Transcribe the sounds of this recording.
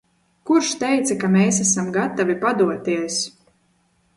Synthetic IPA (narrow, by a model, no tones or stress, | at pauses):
kuɾʃt̪ɛjt̪sakameːs̬asamɡat̪avipad̪uɔt̪iɛs